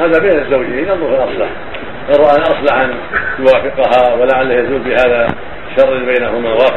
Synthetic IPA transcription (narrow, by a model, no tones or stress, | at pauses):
haːðabeːnɪzːawd͡ʒɪnɑnðˤʊufɪlʔɑsˤlɑ̰ħ | ʔɑrˤɑʔanʔɑsˤlaħʔan | t̪ʊwaːfɪqʊɦawɪlaʕalːahjazuːlbɪhaːða | ʃɑrˤːɑlbajnaɦʊmawaːf